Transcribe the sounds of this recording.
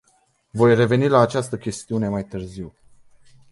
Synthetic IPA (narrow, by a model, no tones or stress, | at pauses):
vo̞jre̞ve̞nilaːt͡ʃast̪əkʲe̞st̪iune̞majt̪ɨrziw